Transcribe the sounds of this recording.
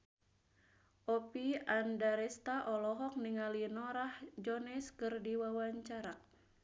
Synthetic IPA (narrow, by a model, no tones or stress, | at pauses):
ʔɔpiandaɾɛst̪aʔɔlɔɦɔk̚niŋalinɔɾahd͡ʒɔnɛskɨrdiwawaɲt͡ʃaɾak̚